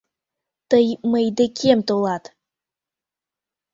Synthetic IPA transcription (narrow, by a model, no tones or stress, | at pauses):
t̪əjməjd̪əkʲʰemt̪olˠɑt̪